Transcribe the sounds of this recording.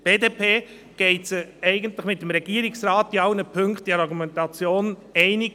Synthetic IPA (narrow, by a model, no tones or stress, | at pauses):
b̥eːdeːpʰeː | ɡ̥ɛɪtsəɛɪɡəntləχmɪt̚ːəmɾɛɡ̥iəɾɪksɾɑːtiɑʊnəpʰɵŋkχt̚d̥ɛɾɑɾɡumɛntɑt͡sjoːnɛɪnɪɡ